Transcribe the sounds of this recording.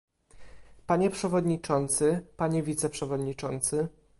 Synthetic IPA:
paɲɛpʂɛvɔd̪ɲit͡ʂɔnt̪sɘpaɲɛvʲit̪sɛpʂɛvɔd̪ɲit͡ʂɔnt̪sɘ

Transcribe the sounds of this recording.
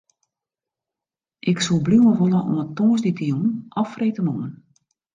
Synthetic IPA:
ʔɪksulˠbluwəʋolˠəʔo̰mətoːzditəjunʔɔfreːtənoən

